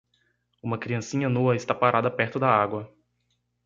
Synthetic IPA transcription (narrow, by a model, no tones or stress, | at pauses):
ũmɐkɾiɐ̃sĩɲɐnuɐɪst̪apaɾʔad̪ɐpɛɾt̪ʊd̪ɐaɡwɐ